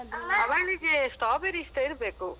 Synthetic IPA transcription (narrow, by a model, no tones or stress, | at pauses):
ɐʋɐɭiɡesʈaːbeɾisʈ̪ɐiɾbeːku